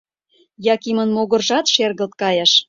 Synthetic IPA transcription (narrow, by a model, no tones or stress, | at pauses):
jɑkimə̆nmoɣə̆rʒɑt̪ʃerɣə̆lt̪̚kɑjɑʃ